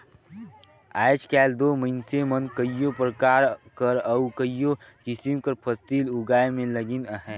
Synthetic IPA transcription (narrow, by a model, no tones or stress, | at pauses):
a̰ːjd͡ʒkɛːld̪oːməɪnsemənkəijopɾəkaːɾkəɾəukəijokɪsimkəɾpʰəsilʊɡaːjmẽləɡinəɦɛ̃ː